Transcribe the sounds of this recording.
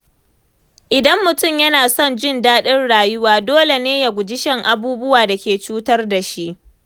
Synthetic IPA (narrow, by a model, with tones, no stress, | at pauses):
ʔɪ˨dɐ˦mːʊ˨tʊ˦˨mjɐ˦naː˨sɔ˦nd͡ʒɪ˦˨ndaː˦ɗɪ˦rɽaː˨jʊ˦waː˨doː˦le˨neː˦ja˨ɡʷʊ˨d͡ʒɪ˦ʃɛ˦ŋʔa˨buː˦bʊ˦waː˨da˨kʲeː˨t͡ʃuː˦tɐ˦rda˨ʃi˦ʔ